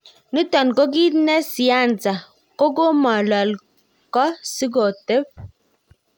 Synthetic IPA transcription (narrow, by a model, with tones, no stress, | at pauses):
ni˦tɔ˨n˨ko˦ɡ̬i˦tnɛ˦si˨a˦˨n̩˨t͡sa˨ | ko˦ɡo˦mɔ˨lɔ˨l | kɔ˦si˦ɡo˨te˦p̚